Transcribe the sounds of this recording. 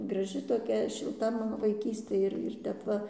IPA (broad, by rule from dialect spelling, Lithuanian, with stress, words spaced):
ɡrɐˈʒʲɪ toːˈkʲɛ ʃʲɪlˠˈtɐ ˈmɑːnoː ʋɐɪˈkʲiːsʲtʲeː ɪr ɪr ˈtʲɛp ˈʋɐ